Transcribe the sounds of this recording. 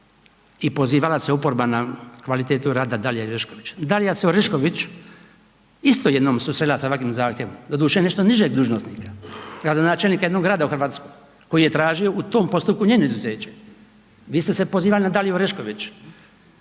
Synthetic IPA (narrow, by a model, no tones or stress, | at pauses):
ipo̞ziːʋalaseopoɾbanakʋalit̪eːt̪uɾaːd̪ad̪alijaiɾeʃkoʋit͡ʃd̪alijaseoɾeʃko̞ʋit͡ʃ | ist̪ojed̪noːmsusɾed̪ilasaʋakʋiːmzaːxt̪ʲjeʋomd̪ad̪uːʃeene̞ʃt̪oniʒeɡ̚d̪uːʒnost̪nḭːkḁɡɾad̪o̞naːt͡ʃelniːkajd̪no̞ɡɾaːd̪auxr̩ʋaːt̪skoj | ko̞jije̞t̪ɾaːʒio̞ʔut̪oːmpo̞st̪upkuɲeːnoizuzeːt͡ɕe | ʋiːst̪esepo̞ziːʋalinad̪alioɾeʃkoʋit͡ʃ